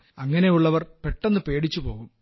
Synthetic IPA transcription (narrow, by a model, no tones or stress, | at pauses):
ɐŋːɐne̞juɭːɐʋɐrpeʈːenːɨpe̞ːɽit͡ɕːupo̞̰ːɣum